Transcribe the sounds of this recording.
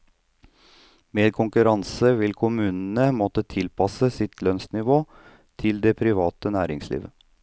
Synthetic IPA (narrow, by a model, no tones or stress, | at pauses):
meːd̪kʰʊŋkʉɾɑnsəʋɪlkʰʊmʉːnənəmɔt̪ət̪ʰɪlpʰɑsəsɪt̪ʰlœnsnɪʋoː | t̪ʰɪld̪ɛpʰɾɪʋɑːt̪ənæːɾɪŋslḭːʋə